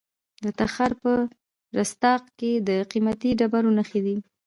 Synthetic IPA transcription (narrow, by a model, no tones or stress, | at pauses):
d̪ət̪axaɾpə | ɾast̪ɑq̚ked̪əqimat̪iɖabaɾonəxed̪i